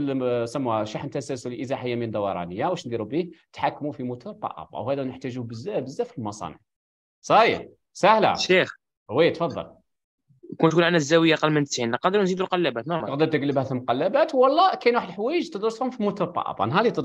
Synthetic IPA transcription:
lsæmːuʃaħnt̪æsæsullʔəzaħəjːæmind̪ɑwɑɾˤɑ̰nəjːawəʃnd̪iɾubiht̪ħakːmufimut̪uɾt̪ˤɑ̰ʔɑ̰b̰̚whæd̪ænəħt̪æʒubəzːæbəzːæfilmɑsˤɑ̰nə̰ʕ | sˤɑ | sæhlæ̰ʃix | hwæjːt̪fɑd̪ˤːɑ̰l | kunt̪kunʕanæzːæwəjːaʔɑqɑlːmənt̪ə̥sʕinləqɑd̪əɾnzid̪ulqɑlːæbæt̪namqd̪əɾt̪əɡləbhæθəlmqɑlːæbæt̪wɑlˤːɑkæjnwaħəd̪lħwæjəʒt̪əd̪ˤɾəshʊmfimut̪uɾt̪ˤɑ̰ʔɑ̰bæ̰nɦɑlit̪əd̪

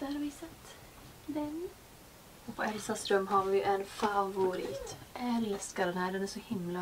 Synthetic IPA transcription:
d̪̥æɾɑɾʋɪsɛt̪ː | d̪ɛn | ɔpʰɔɛlsasɾœmːɦaɾvɪʔɛnfavʊɾɪ̰ːt̪ʔɛlskad̪ɛnhæːɖɛnæːʂɔhɪmla

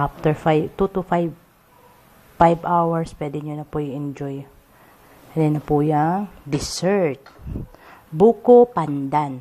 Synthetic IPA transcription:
ʔaft̪ɛɹfajt̪ut̪ʊfajb | fajbawɐɹspwɛːd̪ɪɲonɐpʊjʊʔɛnd͡ʒɔj | ɐninɐpujɐŋd̪ɪsɛɹt̪̚ | buːkopand̪an

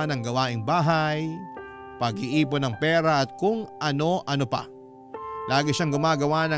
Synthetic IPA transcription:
nɐŋɡɐwaːʔɪŋbaːɦɐj | pɐɡ̚ɪʔiːp̬onɐŋpɛːɾɐʔɐt̪̚kʊŋʔɐno̞ʔɐnopɐ̰ | laːɡɪʃaŋɡʊmaːɡɐwanɐ

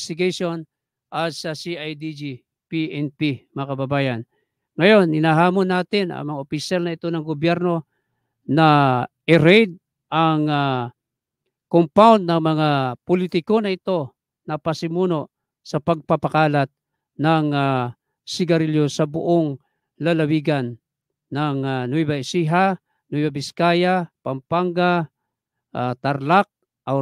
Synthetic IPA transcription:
st̪ɪɡaʃon | ʔat̪sɐsiajd̪id͡ʒi | piʔɛnpimɐakɐbɐbaːjan | ŋɐjo̞nhɪnaːɦaːmonːaːt̪ɪnɐ̰ŋmɐŋaʔopɪsalnɐɪt̪o̞nɐŋɡobjɛɾno̞ | naʔɪɾɛjd̪̚ | ʔaŋa | kompawnd̪̚nɐŋmɐŋapʊlit̪ɪkonɐɪt̪o̞ | nɐpasɪmuːno | sɐpɐɡ̚papakaːlat̪̚ | naŋa | sɪɡaɾɪljosɐbʊ̰ʔoŋ | lalawiɡanː | aŋanujbaɪsiɦa | nujbabɪskajapampaŋɡa | ʔat̪aɾlak̚ | ʔa

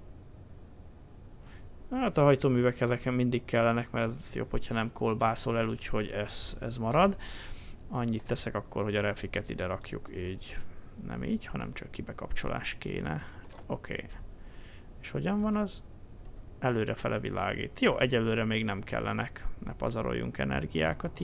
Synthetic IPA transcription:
haːt̪ɒɦɒjt̪oːmyːvɛkɛzɛkɛmmind̪ikkɛlːɛnɛkmɛrt̪jo̰ːpʰho̞cʰhɒnɛmkʰolbaːsolɛluːcho̞ɟɛz̥ɛzmɒɾɒd̪ | ɒɲːit̪ːɛsɛkɒkːo̞rho̞ɟɒɾɛfikɛt̪id̪ɛɾɒkjṵkiːɟnɛ̰miːɟhɒnɛ̰mt͡ʃɒkːibɛkɒpt͡ʃo̞̰la̰ːʃkḛːnɛ | o̞kʰḛː | eʃho̞ɟɒɱvɒnɒz | ɛløːɾɛfɛlʔɛvila̰ːɡḭːt̪joːʔɛɟɛlːøːɾɛmeːɡnɛmkɛ̰lːɛnɛknʔɛ̰pɒ̰zɒɾo̰jːṵŋkɛnɛ̰rɡija̰ːkɒt̪

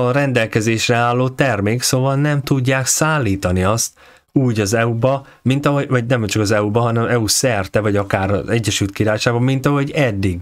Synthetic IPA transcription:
ɒɾɛnd̪ɛlkɛzeːʃrɛaːlːoːt̪ɛrmeːksoːvɒlnɛmt̪uɟːaːksaːlːiːt̪ɒniɒst̪ | uːɟɒzɛubɒ | mint̪ɒɦovɒɟnɛmt͡ʃɒkɒzɛubɒɦɒnɛmɛusɛrt̪ɛvɒɟɒkaːɾɒ̰zɛɟːɛʃylt̪kiɾaːjʃaːɡbɒmint̪ɒɦo̞ɟɛd̪ːiɡ

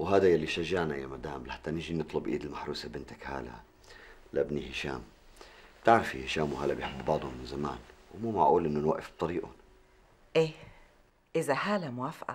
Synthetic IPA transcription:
wɦaːd̪ajalːiʃaʒːaʕnajamad̪aːmlħḁt̪ːanɪʒinɨt̪ˤlʊbʔiːd̪ɪlmaħɾuːsabɪnt̪akha̰ːla̰ | laʔbnihɪʃa̰ːm̥ | t̪aʕɾafihɪʃaːmwhaːlabjħɪbːbɑʕd̪ˤhʊmːɪnzama̰ːnwmuːma̰ʕʔuːlʔɪnːʊnwaʔɪfb̥̚t̪ˤɑɾiːʔʊ̰n | ʔeː | ʔɪzahaːlamʊwaːfʔa̰

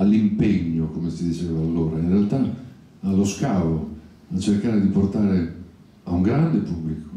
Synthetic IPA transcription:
alːimpeɲːokomesid̪it͡ʃɛːvaːlːoːɾainrealt̪aː | lːoskaːvo | at͡ʃerkaːɾed̪iport̪aːɾe | auŋɡɾand̪epubːliko̥

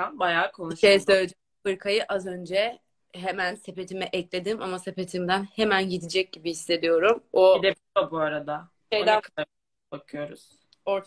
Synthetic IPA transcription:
abajaːkʰonˠʃʃejɛsøːlʲed͡ʒɛ | bɯɾkʰajɯʔazø̞nd͡ʒɛ | ɦemænse̞pe̞t̪ʰimɛʔɛclʲe̞d̪imamase̞pe̞t̪ʰimd̪ænhe̞mænɟid̪id͡ʒɛc̚ɟibihisːe̞d̪ijo̞ɾumod̪ɛ | abuaɾad̪a | ejkʰa | bakʰɯjo̞ɾṵz̥ | oɾt

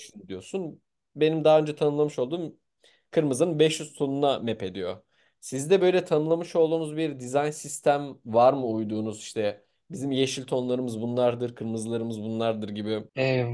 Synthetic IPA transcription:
ʃnd̪ijo̞sun | be̞nimd̪aɦaːø̞nd͡ʒɛt̪ʰanɯnlˠamɯʃo̞lˠd̪uːm | kʰɯɾmɯzɯnɯnbɛʃjyzt̪ʰo̞nunamɛpe̞d̪ijo̰ | sizd̪ɛbø̞jlʲɛt̪ʰanɯlˠamɯʃo̞lˠd̪uːnuzbiɾd̪izajnsist̪ʰæmvaɾmɯujd̪uːnuziʃt̪ʰɛ | bizimjeʃilʲt̪ʰo̞nlˠaɾɯmɯzbunlˠaɾd̪ɯɾkʰɯɾmɯzlˠaɾɯmɯzbunlˠaɾd̪ɯɾɟibi

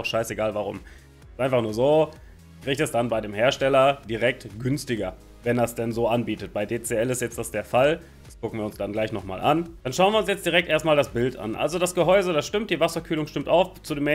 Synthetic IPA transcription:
ʊxʃaɪseɡaːlvaʁʊ̰m | stʔaɪnfaχnuːɐzoː | kʁ̥iːçtɛsd̥anbaɪɾeːmheːɐʃtɛlɐd̥iʁɛk̚tɡ̥ʏnstɪɡɐ | vɛndasd̥ɛnzoːʔanbiːtət̚b̥aɪdeːt͡seɛlɪstjɛt͡std̥asd̥eːɐfal | d̥askʊk̩viːɐʊnsɡ̥anɡlaɪçnɔχma̰ːlʔa̰nd̥anʃaʊnviːʊnsjɛt͡std̥iʁɛk̚tʔeːɐstmaːldasb̥ɪlta̰nʔa̰lzodasɡ̥əɦɔʏzədasʃtɪmtd̥iːvasɐkʰyːlʊŋʃtɪmtaʊft͡sudeːmɛ

